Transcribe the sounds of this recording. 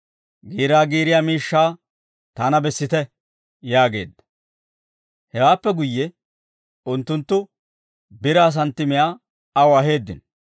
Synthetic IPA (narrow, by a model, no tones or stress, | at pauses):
ɡiːɾaːɡiːɾɪjaːmiːʃːaː | t̪anɐbɛsːɪt̪ɛ | jaːɡe̞̰ːd̪ːɐ̥ | hɛwaːpːɛɡʊjːɛ | ʊnt̪ːʊnt̪ːʊ | bɪɾaːs̬ɐnt̪ːɪmɪjaː | ɐwɐɦe̞ːd̪ːɪ̰n